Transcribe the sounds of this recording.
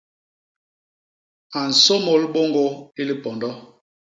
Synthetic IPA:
a˨n̩˨so˦mo˨˦lɓo˦ŋɡo˦i˦li˦pɔ˨ndɔ˦

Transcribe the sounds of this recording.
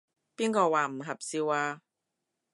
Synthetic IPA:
piː˥nkɔː˧waː˨˩m̩˨˩ɦɐ˨p̚siː˧waː˧

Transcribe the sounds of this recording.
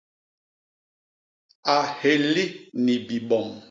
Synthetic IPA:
a˨he˨li˦ni˨bi˨ɓɔ˨m

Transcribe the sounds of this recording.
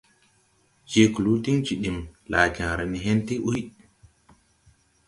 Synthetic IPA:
d͡ʒe˨ku˨lu˦ti˦ŋt͡ʃi˨ɗi˨mlaː˨ka˨ŋɾa˨ni˨ɦɛ˦nti˦ʔu˦j

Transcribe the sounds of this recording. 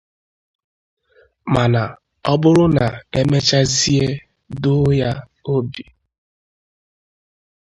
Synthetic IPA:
ma˨na˨ | ɔ˦bʊ˦ɾʊ˦na˨e˦me˦t͡ʃa˦zi˦e˦ | dʊ˦ja˦ | o˦bi˨

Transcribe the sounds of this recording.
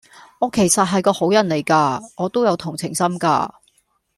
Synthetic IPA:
ɔː˨˧kʰe˨˩jsɐ˨t̚ɦɐ˨jkɔː˧ho˨˥wjɐ˨˩nle˨˩jkaː˧ɔː˨˧t̪o˥wjɐ˨˧wt̪ʰʊ˨˩ŋt͡sʰɪ˨˩ŋsɐ˥mka̰ː˧

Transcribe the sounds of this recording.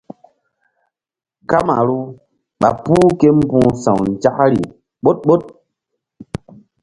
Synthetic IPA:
ka˦ma̰˨ɾu˦ | ɓa̰˨puː˦ke˦m˦bũː˦sa̰˨wn˨d͡ʒa˦kɾi˨ | ɓo˦t̚ɓo˦t̚

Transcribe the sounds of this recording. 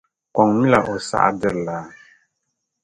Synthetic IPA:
kɔ˨ŋmi˦la˨ʔo˨sa̰˦ʔa̰˦dɪ˦ɾlaː˨˦

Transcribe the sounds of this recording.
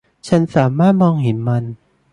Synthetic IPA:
t͡ɕʰa˦˥nsaː˩˦maː˥˩t̪̚mɔː˧ŋhe˨˩˦nma˧n

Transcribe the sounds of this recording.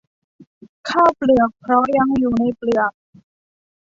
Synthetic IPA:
kʰaː˥˩plɯ˨˩ək̚pʰɾɔ˦˥ja˧ŋjuː˨˩na˧jplɯ˨˩ək̚

